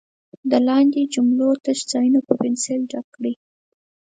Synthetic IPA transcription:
d̪əlɑnd̪ed͡ʒʊmlot̪əʃd͡zɑjunopəpɪnselɖakɽi

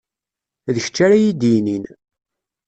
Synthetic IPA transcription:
ðəçə̥t͡ʃːaɾajid̪inin

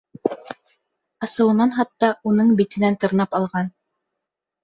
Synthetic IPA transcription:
ɑsɤ̆wɤ̆nɑnɦɑt̪ːɑunɤɴbit̪ɘ̆nænt̪ɤ̆ɾnɑpɑlˠʁɑn

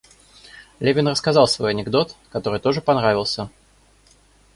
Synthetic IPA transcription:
lʲevʲɪnrəskɐzɑlˠsvo̞jɐnʲɪɡd̪o̞t̪kɐt̪o̞ɾɨjt̪o̞ʐɨpɐnɾavʲɪlˠsʲə

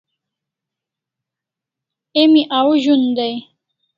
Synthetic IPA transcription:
emiʔawʑund̪aj

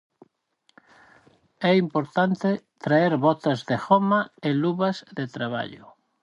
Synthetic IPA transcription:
ɛimpoɾt̪ant̪et̪ɾaeɾβɔt̪azðexɔmaeluβazðet̪ɾaβ̞a̰ʎʊ̰

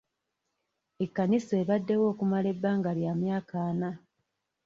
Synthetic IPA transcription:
e̞kːanisoeβadːe̞wo̞ːkumale̞bːaːŋɡaljaːmjaːkaːna

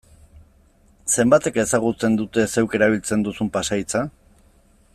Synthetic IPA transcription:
se̞mbat̪e̞ke̞saɣ̞ut͡se̞nd̪ut̪e̞se̞wke̞ɾaβ̞ilt͡se̞nd̪usumpasajt͡sa

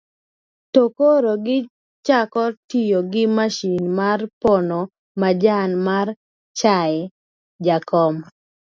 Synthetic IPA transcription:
tokoɾoɡɪ | t͡ʃakɔtijoɡɪmaʃinmarpono | mad͡ʒanmar | t͡ʃaɛ | d͡ʒakɔm

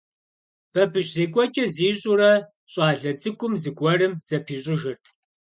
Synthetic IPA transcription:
b̥ɐbɨʃzeːkʷʼɔt͡ʃʼɐziːɕʼuɾɐ | ɕʼɑːɮɐd͡zʼɨkʷʼʊmzɨɡʷʼɔrɨmz̥ɐpʰiːɕʼɪʒɨrtʰ

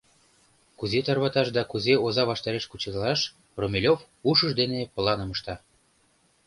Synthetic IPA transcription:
kuzet̪ɑrβɑt̪ɑʃd̪ɑkuzeozɑβɑʃt̪ɑɾeʃkut͡ɕed̪lɑʃ | romʲelʲof | uʃəʃd̪enepə̆lɑnɤməʃt̪ɑ

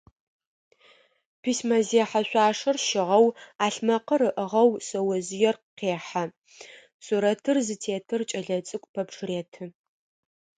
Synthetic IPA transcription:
pʰismɐzeːħaɕʷaːʂɐrʃɪʁɐwaːɬmɐqɐɾɨʔəʁɐwsɐwɐzɪjɛrqeːħa | sʼuɾɐtʰɨrzɨtʰeːtʰɨrt͡ʃʼɐɮɐt͡sʼɨkʷʼpʰɐpʂʰreːtʰɨ

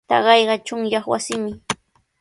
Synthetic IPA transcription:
t̪a̰ɢɑjɢɑt͡ʃʊŋjɑχwa̰sɪmɪ

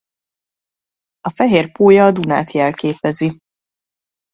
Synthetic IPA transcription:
ɒfɛɦeːrpoːjɒːd̪una̰ːt̪jɛlkeːpɛzi

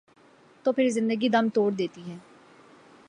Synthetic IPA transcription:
t̪õːpʰɪɾzɪ̃nd̪əɡiːd̪əmt̪oːɾd̪eːt̪iːɦɛː

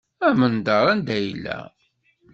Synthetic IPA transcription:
æmənd̪ɑɾˤænd̪æjəlːæ̰

